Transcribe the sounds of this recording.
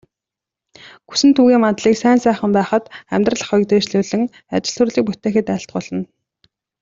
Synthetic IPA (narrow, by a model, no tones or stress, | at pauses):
ɡu̥sɘ̆nt̪ʰuːɣiːŋmat̪ɮiːksæːnsæːχə̆mpæːχə̆t̪æmʲt̪rə̆ɮə̆χʊj̆kt̪eːʃɮuːɮɘ̆ŋ | at͡ɕɪ̆ɬt̪ʰɵ̆rɮiːk̚put̪eːxɘ̆t̪æɪ̆ɬt̪̚ɢʊɮə̆n